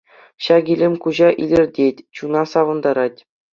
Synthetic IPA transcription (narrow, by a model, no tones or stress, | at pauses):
ɕɑɡʲilʲemʲkuʑɑʔilʲĕrʲdʲetʲt͡ɕunɑsɑʋɤ̆nd̪ɑɾɑtʲ